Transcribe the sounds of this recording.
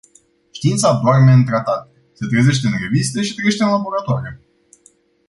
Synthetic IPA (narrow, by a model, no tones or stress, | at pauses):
ʃt̪iint̪sapoarmeɨnt̪ɾat̪at̪ | se̞t̪ɾeze̞ʃt̪e̞ɨnre̞vist̪e̞ʃi̥t̪ɾeeʃt̪e̞ɨnlaboɾat̪oaɾe